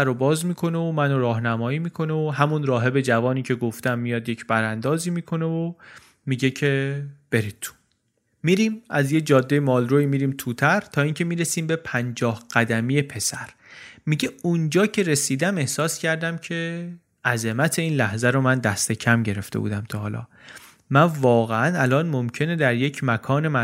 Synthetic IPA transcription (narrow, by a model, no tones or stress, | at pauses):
æɾobɒːzmiːkʰo̞neomænoɾɒːhnæmɒːiːmiːkʰo̞neoɦæmunɾɒːɦe̞be̞d͡ʒævɒːniːcʰe̞ɡo̞ft̪æmːijɒːd̪je̞cʰbæɾænd̪ɒːziːmiːkʰo̞ne̞vo | miɟe̞cʰeb̥e̞ɾit̪̚t̪ʰːu̥ | miɾiːmæzje̞cd͡ʒɒːd̪ːejemɒːlɾoiːmiːɾiːmt̪ʰuːt̪ʰæɾt̪ʰɒːiːŋcʰe̞miːɾesiːmbe̞pʰænd͡ʒɒːhɢ̥æd̪æmije̞pʰe̞sæɾ | miɟe̞und͡ʒɒːcʰe̞ɾe̞siːd̪æme̞hsɒːscʰæɾd̪æmcʰe̞ | æzemæt̪ʰe̞iːnlæhzæɾomænd̪æst̪e̞cʰæmɟe̞ɾe̞ft̪e̞bṵːd̪æmt̪ʰɒːɦɒːlɒ̰ː | mænvɒːɣeænælɒːnmomcʰe̞ne̞d̪æɾje̞cʰmækʰɒːne̞mæ